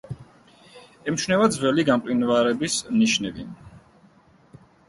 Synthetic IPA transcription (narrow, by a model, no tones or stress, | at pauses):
ɛmʃnɛvad̪zvɛliɡamq̪ʼinvaɾɛbisniʃnɛbḭn